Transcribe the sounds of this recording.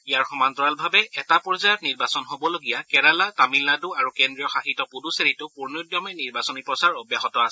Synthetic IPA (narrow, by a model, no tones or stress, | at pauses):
ijaɹxɔmantɔɹalbʱabɛɛtapɔɹzajɔtniɹbasɔnɦobɔloɡijakɛɹalatamilnaduaɹukendɹijɔxaxitɔpuduseɹitʊpuɹnodjɔmɛniɹbasɔnipɹɔsaɹobjaɦɔtɔasɛ